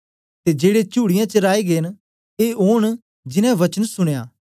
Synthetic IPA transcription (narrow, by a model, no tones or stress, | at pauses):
t̪eːd͡ʒeːɽet͡ʃuːɽɪjãt͡ʃəɾaːeɡeːn | eːoːɳ̃ | d͡ʒɪnɛ̃ʋɐt͡ʃənsʊɽ̃ejaː